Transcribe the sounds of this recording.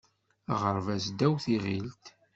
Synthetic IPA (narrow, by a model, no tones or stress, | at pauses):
ʁəɾvæsd̪æwθiʁilt̪